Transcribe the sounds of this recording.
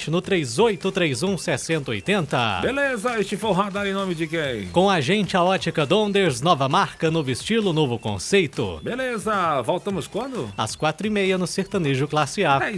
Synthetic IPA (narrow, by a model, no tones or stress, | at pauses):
t͡ʃɪnʊt̪ɾejzojt̪ʊt̪ɾejzũsɛsẽnt̪ɐojt̪ẽnt̪ɐbelezɐest͡ʃɪfojʊ̃ɦad̪aɾẽnõmɪd͡ʒɪkẽj̃kõw̃aʒẽnt͡ʃɪɐɔt͡ʃikɐd̪õnd̪eɾznɔvɐmaɾkɐnovʊɪst͡ʃilʊnovʊkõ̰sejt̪ʊ̰belezɐvowt̪ɐ̃mʊskwɐ̃nd̪ʊɐ̰skwat̪ɾʊimejɐnʊseɾt̪ɐ̃niʒʊklasia